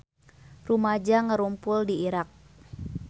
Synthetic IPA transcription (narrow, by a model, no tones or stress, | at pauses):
rumad͡ʒaŋəɾumpʊldiiɾak̚